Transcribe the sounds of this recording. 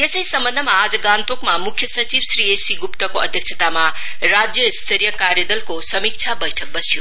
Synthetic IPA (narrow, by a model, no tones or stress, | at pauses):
esəjsʌmbʌnd̪ʱəmaad͡zʌɡant̪okmamukʰːjʌsʌt͡ʃibsɾiesiɡupt̪ʌkoʌd̪ʱjʌkt͡sʰət̪ama | ɾad͡zjʌist̪ʰeɾjʌkaɾjəd̪ʌlkosʌmik̚t͡ʃʰabʌjʈʰʌk̚bʌsijo